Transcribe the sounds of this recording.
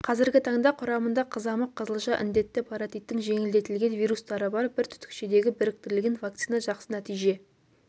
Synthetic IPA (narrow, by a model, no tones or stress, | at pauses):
qʰɑzɪɾɡʲɪt̪ʰɑɴd̪ɑqʰʊɾɑmənd̪ɑqʰəzɑməqʰːəzəlˠʃɑʔɪ̰nd̪e̞t̪ːɪpʰɑɾat̪ijt̪ːɪŋʒe̞ŋɪld̪e̞t̪ɪlɡʲe̞nvijɾust̪ɑɾəbɑɾbɪɾt̪ʰʏ̥t̪ɪ̥kʃed̪e̞ɡʲɪbɪɾɪk̚t̪ɪɾlɪɡʲenvakt̪sijnɑʒɑqsənæt̪ijʒe̞